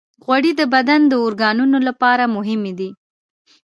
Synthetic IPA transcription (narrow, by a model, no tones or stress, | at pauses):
ɣwaɽid̪əbad̪and̪əʊɾɡɑnunolapɑɾamʊɦɪmed̪i